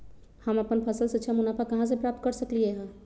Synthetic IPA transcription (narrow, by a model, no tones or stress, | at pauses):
həməpənpʰəsəlset͡ʃʰamunapakəɦãs̬epɾap̚t̪̚kəɾsəklieɦɛ̃